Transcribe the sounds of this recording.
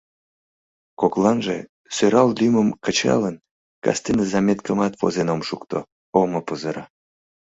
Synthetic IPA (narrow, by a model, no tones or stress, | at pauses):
koklɑnʒḛ | søɾɑllyməmkət͡ɕɑ̰lən | kɑ̰st̪inəzɑmʲet̪kəmɑt̪vo̰zenomʃukt̪o̰ | oməpəzəɾɑ